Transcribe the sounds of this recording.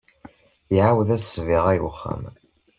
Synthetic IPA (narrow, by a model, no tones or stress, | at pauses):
iʕawðæsviʁæjʊχːa̰m